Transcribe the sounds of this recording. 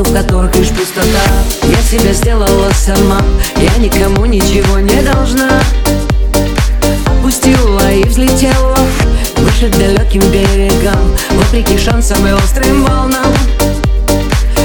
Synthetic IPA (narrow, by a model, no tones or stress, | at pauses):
ʊfkɐt̪o̞ɾɨxʲɪʂpʊst̪ɐt̪a | jasʲɪbʲezʲdʲelˠəlˠəsʲɐrmajanʲɪkɐmunʲɪt͡ɕɪvonʲɪd̪ɐlˠʐna | ɐpʊsʲtʲilˠːəivzʲlʲɪtʲelˠːə | vɨʂɨt̪̚d̪ɐlʲokʲɪmbʲeɾʲɪɡəmvopɾʲɪkʲɪʂansəmɨɔst̪ɾɐimvɐlˠna